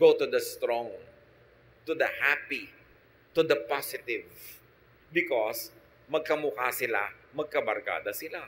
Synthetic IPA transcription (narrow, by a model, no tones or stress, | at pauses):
ɡ̥ot̪ʊd̪ɐst̪ɾɔ̃ŋ | t̪ud̪ɐhapi | t̪ʊd̪ɐpasɪt̪ɪv | bɪkɔs | mɐɡ̚kɐmʊkasɪla̰mɐɡ̚kɐbɐɾka̰ːd̪ɐsɪla